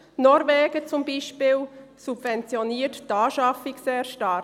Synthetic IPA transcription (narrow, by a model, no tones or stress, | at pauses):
nɔɾvɛːɡ̥ət͡sumbiːʃpɪːlsub̥vɛnt͡sjɔniːətdɑːʃɑfɪkseːɾʃtɑ